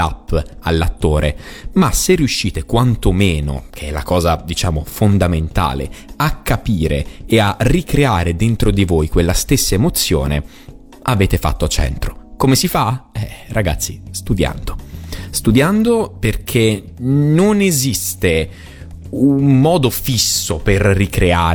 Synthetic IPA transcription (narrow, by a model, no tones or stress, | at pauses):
la̰pːalːat̪ːoːɾʔemaserːiuʃːiːt̪ekwant̪omeːno̰kʰeɛla̰kɔːzad̪it͡ʃaːmofond̪ament̪a̰ːlḛakʰːapiːɾḛːarikɾeaːɾed̪ent̪ɾod̪ivojkwelːast̪esːaemot̪sːjo̰ːnḛ | aveːt̪efa̰t̪ːoat͡ʃːɛ̰nt̪ɾokomesifaɛrʔaɡa̰t̪sːist̪ud̪ja̰nd̪ost̪ud̪jand̪operkʰenonezist̪e | ummɔːd̪ofisːoperːikɾeaːɾ